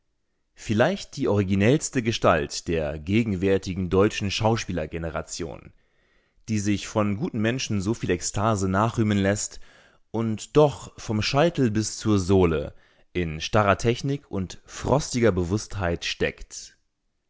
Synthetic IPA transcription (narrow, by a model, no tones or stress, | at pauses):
fɪlaɪçt̚d̥iːʔɔʁ̞iɡinɛlstəɡəʃta̰ltd̥eːɐɡeːɡŋ̩vɛɐtɪɡŋ̩dɔʏt͡ʃn̩ʃaʊʃpiːlɐɡenəʁa̰t͡sjo̰ːn | d̥iːzɪçfɔnɡuːtn̩mɛnʃn̩zoːfiːlɛkstʰaːzənaːχʁ̥yːmənlɛst | ʔʊntd̥ɔχfɔmʃaɪtl̩bɪst͡suːɐzoːlə̰ | ʔɪnʃtaʁɐtʰɛçnɪkʰʊntfʁ̥ɔstɪɡɐbəvʊsthaɪtʃtɛ̰kt